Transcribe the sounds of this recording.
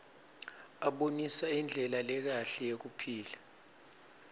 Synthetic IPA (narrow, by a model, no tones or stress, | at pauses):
aɓonisaind͡ɮʱɛlalɛk̬aɬɛjek̬upʰiːla